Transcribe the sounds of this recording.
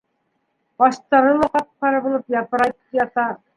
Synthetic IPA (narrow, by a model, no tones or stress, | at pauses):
ɑʃt̪ɑɾɤlˠɑqɑt̪̚qɑɾɤbŭlˠɤpjɑp̪ɤ̆ɾɑjt̪jɑt̪ɑ